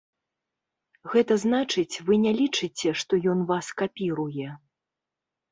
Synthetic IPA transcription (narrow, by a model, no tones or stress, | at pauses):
ɣɛt̪ɐznat͡ʂɨt͡sʲvɨnʲɛlʲit͡ʂɨt͡sʲɛʂt̪ɔjɔnvaskapʲiɾujɛ